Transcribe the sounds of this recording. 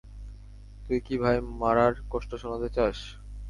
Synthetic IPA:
t̪ujkibʱajmaɾaɾkɔʃʈoʃonat̪et͡ɕaʃ

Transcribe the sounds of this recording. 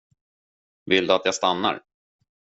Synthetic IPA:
vɪld̪ɵat̪jast̪anːa̰ɾ

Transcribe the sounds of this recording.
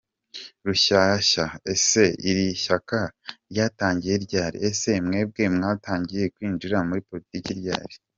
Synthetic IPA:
ɾuʃaʃaese̞iɾiʃakaɾjaːtaːɲɟije̞ɾɟaːɾḭese̞mŋe̞ːb̚ɡe̞mŋaːtaːɲɟije̞kwiːnd͡ʒuɾamuɾipo̞ɾitiːkiɾɟa̰ːɾi

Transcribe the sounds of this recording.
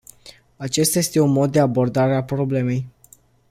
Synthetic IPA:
at͡ʃe̞st̪aje̞st̪e̞unmo̞d̪̚ːe̞abo̞rd̪aɾeapɾo̞ble̞me̞j

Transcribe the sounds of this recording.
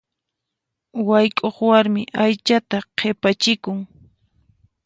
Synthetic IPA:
wajkʼoχwaɾmɪʔajt͡ʃat̪aqʰepat͡ʃɪkʊŋ

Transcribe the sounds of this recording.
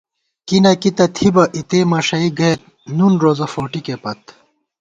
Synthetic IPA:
kinɐkit̪ɐt̪ʰibɐʔit̪eːmɐʂɐiɡɐjɾ | nunɾoːzɐfoːʈikepɐt̪

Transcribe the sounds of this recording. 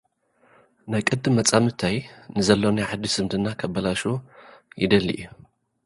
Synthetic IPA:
najkʼɨd̪ːɨmːɐt͡sʼamɨt̪ʰajnɨzɐlːonaʕad̪ːisɨmd̪ɨnːakʰɐbːɐlaʃujɪ̰d̪ɐlːḭʔu

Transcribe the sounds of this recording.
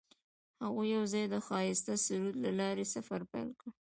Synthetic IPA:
haɣujːawzɑjd̪əxɑjɪst̪asʊɾud̪lalɑɾesafaɾpajlkɽə

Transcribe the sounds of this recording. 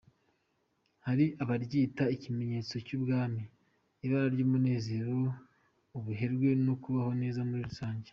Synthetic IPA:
haɾiʔaβaɾɟiːtaicime̞ɲe̞ːt͡so̞cubɡaːmiː | βaɾaɾɟoːmune̞ːze̞ɾo | uβuɦe̞ɾɡwe̞nokuβaho̞ne̞ːzamuɾiɾusaːɲɟe

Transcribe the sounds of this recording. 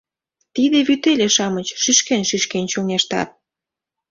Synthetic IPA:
t̪id̪eβyt̪elʲeʃɑmət͡ɕʃyʃkenʃyʃkent͡ɕoneʃt̪ɑ̰t̪̚

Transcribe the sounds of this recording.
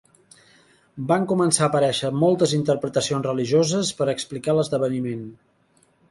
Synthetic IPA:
baŋkumənsaəpəɾɛʃəmɔlˠt̪əzint̪əɾpɾət̪əsionzrəliʒozəspəɾəksplikaləzðəβənimen

